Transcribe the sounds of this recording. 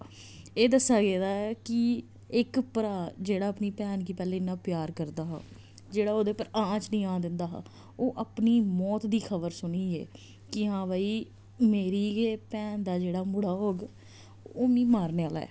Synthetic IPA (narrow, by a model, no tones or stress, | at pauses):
eːd̪əsːaːɡeːd̪aːɛkɪ | ɪkpəɾaːd͡ʒeːɽaːəpniːpɛːnkiːpɛːlẽːɪnːãːpjaːɾkəɾd̪aːɦa̰ː | d͡ʒeːɽaːoːd̪eːpəɾãːt͡ʃnĩːãːd̪ɪnd̪aːɦa̰ː | oːʔəpniːmɔːt̪d̪iːkʰəbəɾsʊniːɛ̰ː | kɪɦãːʋaːiː | meːɾiːeːpɛːnd̪aːd͡ʒeːɽaːmʊɽaːɦoːɡ | oːmĩːmaːɾneːaːla̰ːɛ̰ː